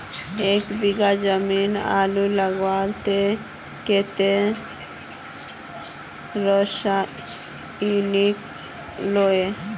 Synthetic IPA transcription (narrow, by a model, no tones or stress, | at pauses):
ekbiɡad͡ʒəmina̰ːluləɡʋalt̪e | ket̪e | ɾɔʃa | ilik | loe